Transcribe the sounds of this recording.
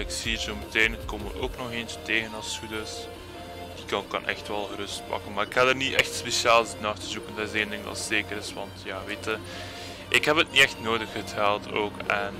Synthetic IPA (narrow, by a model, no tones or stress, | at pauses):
ɪksiːrzoməteːnətkomə̰ro̰ːknɔxeːnt͡ʃəteːɣənɑsudəs | d̥ikɑkɑ̰nʔɛ̰xtʋɛlˠɣəɾɵst̚pɑ̰kənmaːɾɪkhadərniʔɛxtspesiaːlˠztnaːxtəzukəndɑtɪseːndɪŋdɑ̰sz̥eːkəɾɪsʋɑ̰ntjaːʋeːtə | ʔɪkɦɛpɦətniɛxtnoːdəxətɛlˠtʰoːkɛn